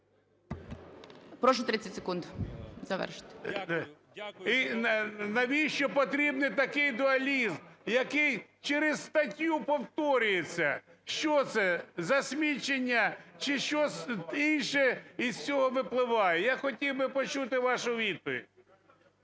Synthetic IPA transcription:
pɾɔʃʊt̪ɾɪt͡sʲːɐtʲse̥kund̪zɐʋɛ̰ʃɪ̥t̪ | inɐʋʲiʃt͡ʃɔpɔt̪ɾʲibnɪjt̪ɐkɪjd̪ʊɐlʲizmjɐkɪjt͡ʃeɾɪzst̪ɐtʲjupɔwt̪ɔɾʲʊjet͡sʲːɐʃt͡ʃɔt̪sɛzɐsʲmʲit͡ʃenʲːɐt͡ʃɪʃt͡ʃɔsinʃɛiz̥t͡sʲɔɦɔʋɪplˠɪʋɑjejaxɔtʲiwbɪpɔt͡ʃut̪ɪʋɑʃʊʋʲid̪̚pɔʋʲḭdʲ

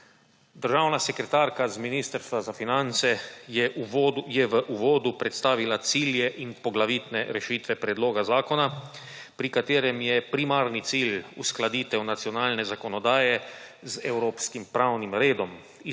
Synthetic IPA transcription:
d̪əɾʒaːwnasɛkɾɛt̪aːɾkazminiːst̪əɾst̪ʋazafinant̪sɛɛjɛʋəʔuʋoːd̪upɾɛt̪st̪aːʋilat̪siːljɛʔinpɔɡlaʋiːt̪nɛɾɛʃiːt̪ʋɛpɾɛd̪loːɡazaːkɔna | pɾikat̪eːɾɛmjɛpɾimaːɾnit̪silusklad̪iːt̪ɛwnat̪sijɔnaːlnɛzakɔnɔd̪aːjɛzɛwɾoːpskimpɾawnimɾeːd̪ɔm | i

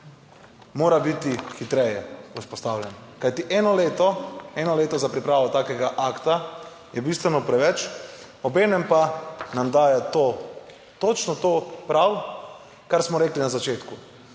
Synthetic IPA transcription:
moːɾabit̪ixit̪ɾɛjɛuspɔst̪awljɛnkajt̪iʔɛːnɔleːt̪ɔɛːnɔleːt̪ɔzapɾipɾaːʋɔt̪aːkɛɡaʔakt̪a | jɛbist̪ʋɛnɔpɾɛʋɛt͡ʃ | ɔbɛːnɛmpanamd̪aːjɛt̪o | t̪ot͡ʃnɔt̪oːpɾaw | kaɾsmɔɾɛːklinazat͡ʃeːt̪ku

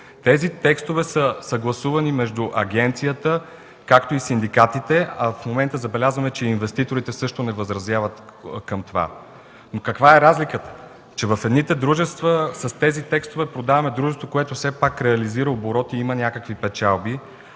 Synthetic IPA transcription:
t̪ɛzit̪ɛkst̪ovɛsəsɐɡlˠɐsuvɐnimɛʒd̪uʔɐɡɛnt̪sijət̪ə | kakt̪oisind̪ikat̪it̪ɛɐfmomɛnt̪əzɐbɛlʲazvəmɛt͡ʃɛinvɛst̪it̪oɾit̪ɛsɤʃt̪onɛvɐzɾɐzjavət̪kəmt̪ova̰ | nokɐkvaɛɾazlikət̪ə̥ | t͡ʃɛvɐfɛd̪nit̪ɛd̪ɾuʒɛst̪vəsəst̪ɛzit̪ɛkst̪ovɛpɾod̪avɐmɛd̪ɾuʒɛst̪vokoɛt̪ofsɛpakɾɛɐliziɾəoboɾɔt̪iimənʲakəkvipɛt͡ʃalˠbi

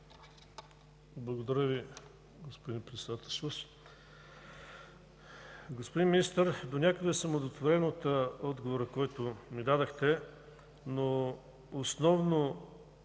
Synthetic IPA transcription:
blˠəɡod̪ɐɾəvi | ɡospod̪inpɾɛt̪sɛd̪at̪ɛlˠʃos | ɡospod̪inmʲinist̪əɾd̪onʲakəd̪ɛsəmod̪ot̪voɾɛnot̪əɔd̪ɡovoɾəkɔjt̪ʊmid̪ad̪əxt̪ɛ | noː | snɔvno

